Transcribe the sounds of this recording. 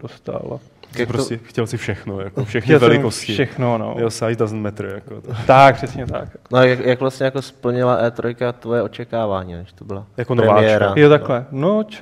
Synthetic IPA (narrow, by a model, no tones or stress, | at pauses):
dost̪a̰la̰ | japɾoscɛxcɛlsɪfʃɛxnojakofʃɛxɛvɛlɪkoscɪʃɛxnono̰josajt̪azn̩mɛt̪ɾɪjakot̪t̪akpr̥ɛsɲɛt̪a̰knojakjakvlast̪ɲɛjakospl̩ɲɪlaʔɛːt̪ɾojkat̪vojɛot͡ʃɛkaːvaːɲiːnɛʃt̪obɪlajakonoɾɛvaːɛːɾajot̪aklɛnot͡ʃ